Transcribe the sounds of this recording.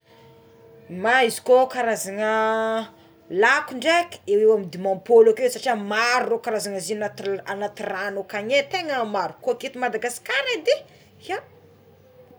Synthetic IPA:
maizi̥kokaɾazaŋə | lakuɳɖ͡ʐekewewamid̪imãmpolakesaʈ͡ʂiamaɾurokaɾazaŋəzinaanat̪iranokaɲet̪eŋəmaɾukuaket̪imad̪aɡasi̥kaɾad̪e | ja

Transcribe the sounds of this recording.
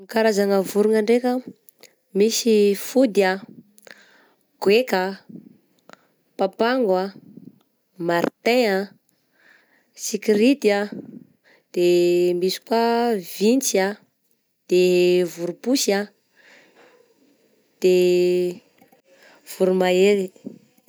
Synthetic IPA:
kaɾazanəvuɾuŋaɳɖ͡ʐekə | misifud̪ia | ɡ̥wekə | papaŋɡwa | maɾt̪ẽa | sikiɾit̪ia | d̪̥emisi̥kwavint͡sa | d̪̥evuɾupusa | d̪̥e | v̥uɾumaeɾi

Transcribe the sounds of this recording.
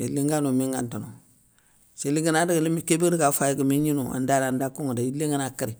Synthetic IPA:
ḭliŋɡanumiŋɡantono | seliŋɡinadikimikebedikafajkəmiɲinua̰ndalandakuŋudaileŋɡənakəɾi

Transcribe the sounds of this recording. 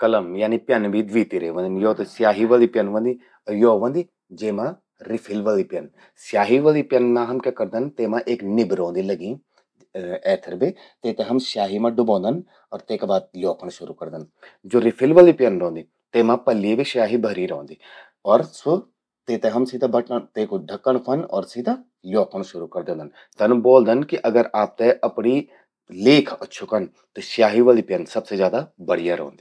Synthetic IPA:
kələmjaːniːpjənbiːd̪ʋiːt̪iɾeːʋə̃nd̪ənjoːt̪esɪjaːɦiːʋaːliːpjənʋə̃ːnd̪iː | ɔjoːʋə̃ːnd̪iː | d͡ʒeːmãː | ɾɪpʰɪlʋaːliːpjən | sɪjaːɦiːʋaːliːpjənːãːɦəmkʲaːkəɾd̪ənt̪eːmãːʔeknɪbɾõːnd̪iːləɡĩː | ɛːt̪ʰəɾbeː | t̪eːt̪ẽːɦəmsjaːɦiːmãːɖʊbɔ̃ːnd̪ən | ɔːɾt̪eːkbaːd̪̚ljoːkʰəɽ̃ʃʊɾuːkəɾd̪ənd͡ʒoːɾɪpʰɪlʋaːliːpɪjənɾõːnd̪iː | t̪eːmãːpəlːiebiʃjaːɦiːbʱəɾiːɾɔ̃ːnd̪iː | ɔːɾsʊ | t̪eːt̪ẽɦəmsiːd̪ãːbəʈt̪eːkɖʱəkːəɳ̃kʰənɔːɾsiːd̪ãː | ljoːkʰəɽʃʊɾuːkəɾd̪ẽːnd̪ən | t̪ənboːld̪ənkɪʔəɡəɾʔaːp̚t̪ẽʔɐpɽiː | leːkʰəːʃʰʊkən | t̪eʃjaːɦiːʋaːliːpjənsəbsezjaːd̪aːbəɽ̤ijaːɾɔ̰̃ːnd̪iː

